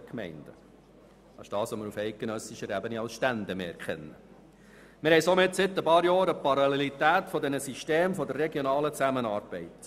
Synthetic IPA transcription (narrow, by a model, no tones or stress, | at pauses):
kmɛ̰ɪnd̥̪ə | ɑsd̥ɑːsɔməɾufɛɪt̚ɡ̥ɛnœsɪʃəɾɛbəniɑlsʃtænd̪əmḛːɛɾkχɛ̰nːə | mɪɾhɛɪjsɔmɪt̪sɪt̪ːəpɑːɾjɑːɾəpɑɾɑlelit̪æːt̪fɔdɛnəsiʃteːmfɔdərːɛɡjɔnɑːlət͡sæmənɑːɾb̥ɛɪt̪